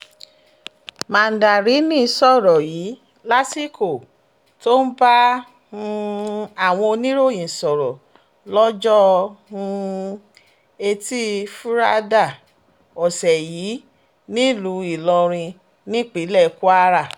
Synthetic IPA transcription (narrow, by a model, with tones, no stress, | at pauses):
mã˨n̩˨da˨ɾi˨˦nĩ˦˧sɔ˦˨ɾɔ˨jiː˨˦ | la˦si˦ko˦˨ | to˦n̩˦ba˦ | hũ˧a˦˨w̃ɔ̃˧o˧nĩ˦ɾo˦˨jĩ˨sɔ˨ɾɔ˨ | lɔ˦d͡ʒɔ˦hũ˧ | e˧ti˦fu˦ɾa˦da˦˨ | ɔ˨sɛ˨jiː˨˦ | nĩ˦lu˨˦i˦˨lɔ̃˧ɾ̃ĩ˧ | nĩ˦k͡pi˨˦lɛ˦˨˦ku˦a˦ɾa˦˨